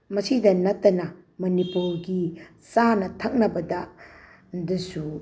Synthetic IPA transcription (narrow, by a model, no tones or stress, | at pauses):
mɐsidɐnɐtːɐnɐ | mɐnipulɡi | sanɐtʰɐk̚nɐbɐdɐ | dɐsu